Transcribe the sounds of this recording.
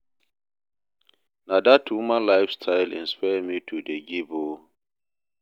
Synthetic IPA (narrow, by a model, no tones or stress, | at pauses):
nadatʰːumãlaɪfstʰaɪlḭ̃nspamitʰudeɡibo